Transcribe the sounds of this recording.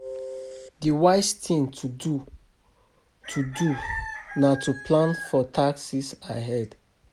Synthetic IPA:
diwaɪstʰĩŋtʰudu | tʰudunatʰupʰlãnfɔtʰaksisaɦɛd̥

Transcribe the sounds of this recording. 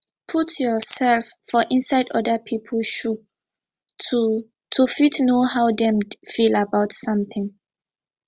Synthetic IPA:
pʰutjɔsɛlffɔʔɪ̃nsaɪdɔ̰dəpʰipʰəlʃu | u | tʰufitnohaʊdɛ̃mfilabaʊtsʌ̃mθɪ̃ŋ

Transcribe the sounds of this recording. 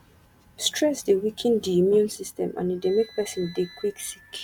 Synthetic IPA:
stʰɹɛsdewikʰĩndiimjũnsistɛ̃mã̰nidẽmek̚pɛsɔ̃ndekʰwiksik

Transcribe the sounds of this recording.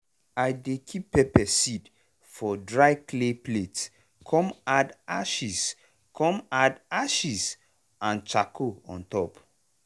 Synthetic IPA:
ajdekʰipːɛpɛsid | fɔdɹaɪkleplets | kʰɔ̃madaʃis | kʰɔ̃madaʃis | ãnt͡ʃakʰoɔ̰̃ntɔp

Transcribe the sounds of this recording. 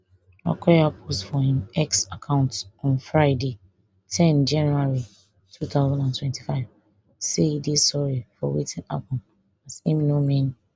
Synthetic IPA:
ɹa̰kʰɛjapʰostfɔhĩmɛksakʰãʊ̃ntɔ̃nfɹaɪde | tʰɛ̃nd͡ʒãnuaɹi | tʰut̪aʊzãndãntwɛ̃nti̥faɪv | seidisɔɹifɔ̰wḭtʰĩna̰pɔ̃n | asĩmnomẽn

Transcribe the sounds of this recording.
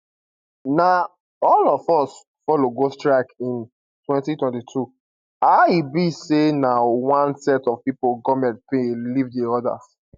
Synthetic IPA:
na | ɔlɔfɔs | fɔloɡostɹakĩn | twɛ̃ntitwɛ̃ntitʰu | aibisenawãnsɛtɔv̥pipoɡɔmɛ̃nt̚pĩlivdiɔda̰s

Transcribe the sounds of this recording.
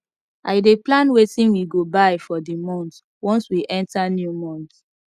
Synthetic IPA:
ʔaɪdeplãnwetĩnwiɡobaɪfɔdimɔ̃nt | wɔ̃nswiʔɛ̃ntanjumɔ̃nt

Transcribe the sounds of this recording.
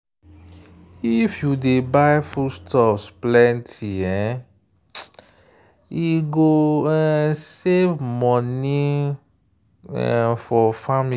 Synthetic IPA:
ifjudebajfustɔpsplɛ̃ntʰiɛ̃ | iɡoɛsevmɔ̃nĩ | ɛ̰fɔfami

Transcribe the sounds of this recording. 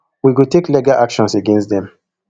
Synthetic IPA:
wiɡoteklɛɡalʔakʃɔ̃nseɡɛ̃nstðɛ̃m

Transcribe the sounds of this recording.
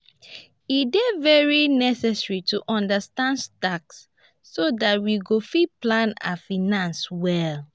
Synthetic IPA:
idɛvɛɹinɛsɛsɹituʔɔ̃ndastãndstaksː | odat̚wiɡofiplãna̰finãnswɛl

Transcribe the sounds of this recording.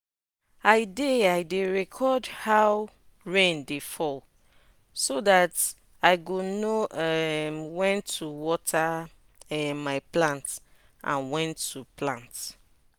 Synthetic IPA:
aɪdeaɪdeɹɛkʰɔdhaw | ɹẽndefɔl | sodat | aɪɡonoɛmwɛ̃ntʰuwɔtʰa | ɛmaɪplãnt | ʔã̰nwɛ̃ntʰːuplãnt

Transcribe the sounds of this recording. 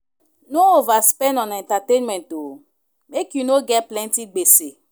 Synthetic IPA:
noovaspɛnɔ̃nɛ̃ntatẽnmɛ̃nto | mekjunoɡɛt̚plɛntiɡ͡bese

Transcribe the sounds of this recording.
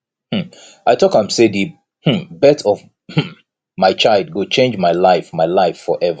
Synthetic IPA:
hm̩ | ʔaɪtʰɔkãmsedɨ | hm̩bɛtʰɔv | h̩ | maɪt͡ʃaɪlˠd̚ɡot͡ʃẽnd͡ʒmaɪlaɪfmaɪlaɪfːɔʔɛvə

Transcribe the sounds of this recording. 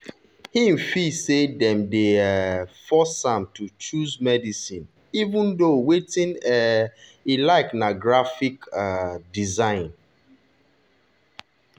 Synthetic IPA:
hinfisedɛ̃mde | fɔsãmtut͡ʃuzmɛdisĩn | ivũndowetĩnɛ | ilaɪknaɡɹafikadizãɪ̃n

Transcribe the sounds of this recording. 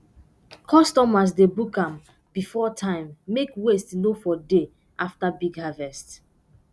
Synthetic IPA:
kʰɔstɔmas̬debukãm | b̥ifɔtʰãɪ̃mːekwestnofɔde | ʔaftabiɡhavɛst

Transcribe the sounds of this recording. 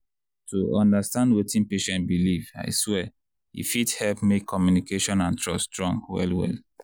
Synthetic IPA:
tuɔ̃ndastãndwetĩnpeʃɛ̃ntbiliva̰ɪswɛ | ḭfithɛlpmekʰːɔmjunikeʃɔ̃nãntʰɹɔstɹɔ̃ŋwɛ̰lwɛ̰l

